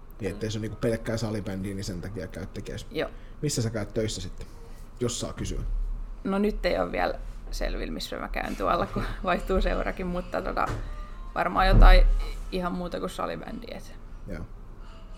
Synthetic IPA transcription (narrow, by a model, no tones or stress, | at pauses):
miet̪ːeisoniːkupelkːæːsɑlibændiːnisent̪ɑkiækæyt̪t̪ekiæ̰sjo | misːæsækæyt̪t̪øisːæsit̪ːe̥ | josːɑ̰ːkysy̰ænonyt̪ːeio̰ʋʋiælsḛlʋḭlmisːy̰mækæy̰nt̪uɑlːɑkuʋɑiht̪uːsḛurɑkimmut̪ːɑt̪ot̪ɑ̰ʋɑrmɑːjot̪ɑiihɑmmuːt̪ɑkussɑ̰lḭbæ̰nd̥iḛt̪ | jæ̰ː